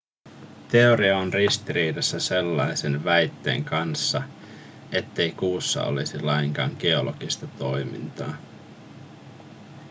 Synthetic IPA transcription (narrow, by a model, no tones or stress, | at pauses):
t̪e̞o̞ɾiɑonrist̪iɾiːdɑsːæse̞lːɑjse̞nʋæjt̪ːe̞̰ːŋkɑnsːɑ | e̞t̪ːe̞jkuːsːɑ̰o̰lisilɑjŋkɑːŋɡ̥eo̞lo̞ɡ̥ist̪ɑt̪o̞jmḭnt̪ɑː